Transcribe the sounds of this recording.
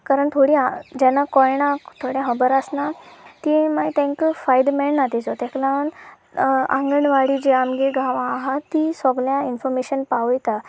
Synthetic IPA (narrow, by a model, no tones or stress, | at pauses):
kaɾəɳt̪ʰoɽiad͡ʑɛnːakɔjɳ̃ãkt̪ʰoɽjaɦəbəɾəsnat̪imajt̪ɛ̃ŋkfajd̪mɛɭnat̪it͡sɔt̪ɛklãn | ã̰ŋɡəɳʋaɽid͡ʑeamɡeɡʱaʋãːɦat̪isɔɡljãinfɔɾmeɕənpaʋəjt̪a